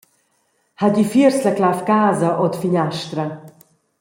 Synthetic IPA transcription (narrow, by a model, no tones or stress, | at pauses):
haɟifiərslɛklafɡaːzɐʔot̪fiɲaʃt̪rə